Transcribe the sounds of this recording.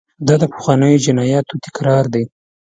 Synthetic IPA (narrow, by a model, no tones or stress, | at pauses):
d̪ɑd̪əpə̥xwɑnəjod͡ʒɪnɑjɑt̪ot̪ɪ̥kɾɑɾd̪e